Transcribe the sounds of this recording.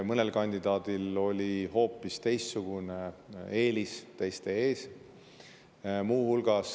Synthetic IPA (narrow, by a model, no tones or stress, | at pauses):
mɤne̞lkɑnʲd̪̥id̪̥ɑːd̪̥ilo̞lʲiho̞ːpːˑist̪e̞jst̪suɡ̥unee̞ːlist̪e̞jst̪e̞eːs | muːhulɡ̥ɑs